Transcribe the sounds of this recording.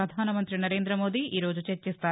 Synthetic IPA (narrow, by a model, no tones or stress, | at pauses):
ɐd̪ʱaːnɐmɐnt̪ɾinɐɾe̞ːnd̪ɾɐmo̞ːd̪iʔiːɾo̞ːd͡ʒut͡ʃeɾt͡ʃist̪aː